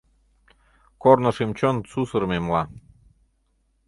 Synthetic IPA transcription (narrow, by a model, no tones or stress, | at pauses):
kornə̆ʃemt͡ɕonsusəɾmemlɑ